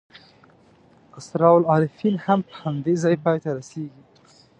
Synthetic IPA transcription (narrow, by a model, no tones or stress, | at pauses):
asɾɑwlɑːlɪfinhampə̥hand̪ezɑjpɑjt̪aɾaseɡi